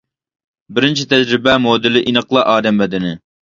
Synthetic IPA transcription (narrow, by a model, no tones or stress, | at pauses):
bɪɾɪnt͡ʃʰit̪ʰɛd͡ʒɾɪbɛmod̪ɪlɪʔinəqlˠɑʔɑːd̪ɛmvɛd̪ɪnɪ